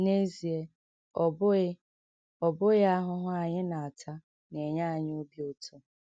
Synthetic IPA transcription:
ne˦zi˨e˨ | ɔ˨bʊ˦ɪ˦ | ɔ˨bʊ˦ɣɪ˦a˦ɦʊ˦ɦʊ˦a˨ɲɪ˦na˨a˨tʰa˦ | ne˨ɲa˦a˨ɲ˦o˦bi˦o˦tʰo˦

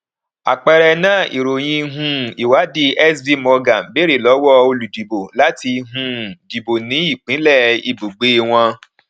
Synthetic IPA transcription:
a̰˨k͡pɛ˧ɾɛ˧nãː˦˨ʔḭ˨ɾo˨j̃ĩ˧˦ɦũ˧i˨wa˨˦di˧ɛ˦sdi˦mɔ˧ɡa˨n˨be˦ɾe˦˨lɔ˨˦wɔ˦o˧lu˨di˨bo˨la˦ti˧˦ɦũ˧˦di˨bo˨nĩ˨˦i˦˨k͡pĩ˨˦lɛ˦˨i˧bu˨ɡ͡be˨˦w̃ɔ̃˧

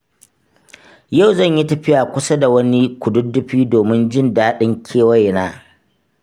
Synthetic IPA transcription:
ja˦˨wzɐ˦˨ɲji˦tɐ˨ɸɪ˦jaː˨kʷʊ˦sa˦da˨wɐ˦ni˦kʷʊ˨dʊ˦dːʊ˦ɸiː˦doː˨mɪ˦nd͡ʒɪ˦ndaː˦ɗɪ˦ŋkʲʰeː˦wɐ˦˨jnaː˦

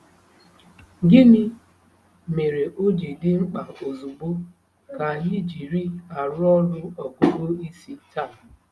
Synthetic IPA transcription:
ɡɪ˦mɪ˦ | me˨ɾe˨ʔo˦d͡ʒe˨dɪ˦ŋ͡m̩˦k͡pa˨o˨zu˨ɡ͡bo˦ | ka˨ni˦˨d͡ʒi˨ɾi˦a˨ɾʊ˦ɔ˦dʊ˦ɔ˨ɡo˦bo˦i˦si˦ta˦˨

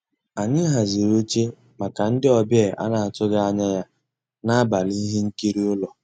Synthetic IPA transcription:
a˨ɲɪ˦ɦa˨zi˨ɾo˦t͡ʃe˦ | ma˨ka˨n̩˦dɪ˦ɔ˨bjɛ˦˨a̰˦na˨a˨tʊ˦ɡa˦a˦ɲa˦ja˦ | na˦a˦ba˨li˦i˦ɦe˦ŋ̩˦ki˦ɾi˦ʊ˦lɔ˨

